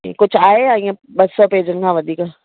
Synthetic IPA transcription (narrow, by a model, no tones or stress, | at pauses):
ḭkʊt͡ʃʰaːeaːĩãbɐsɔːpeːd͡ʒənkãʋəd̪iːka